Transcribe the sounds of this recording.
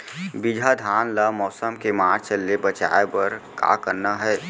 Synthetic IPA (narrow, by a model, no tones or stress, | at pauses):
bid͡ʒʱad̪ʱaːnlamɔːsəmkemaːɾt͡ʃəlːebət͡ʃa̰ːepəɾka̰ːkəɾnaɦɛː